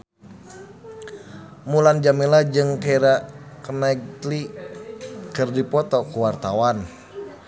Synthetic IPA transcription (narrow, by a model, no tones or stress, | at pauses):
muland͡ʒamilad͡ʒɨŋkaɾakənaɡtli | kɨrdipɔt̪ɔkuwart̪awan